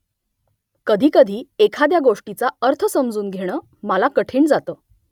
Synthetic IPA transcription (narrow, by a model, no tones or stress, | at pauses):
kəd̪ʱiːkəd̪ʱiːekʰad̪jaɡoʂʈit͡saəɾt̪ʰəsəmd͡zuːnɡʱeɽ̃əː | məlakəʈʰiːɳd͡zat̪əː